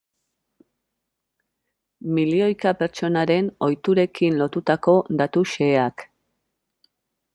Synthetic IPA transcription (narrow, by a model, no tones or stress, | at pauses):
milio̞jkape̞ɾt͡ʃo̞naɾe̞no̞jt̪uɾe̞kinlo̞t̪ut̪ako̞d̪at̪uʃe̞ːak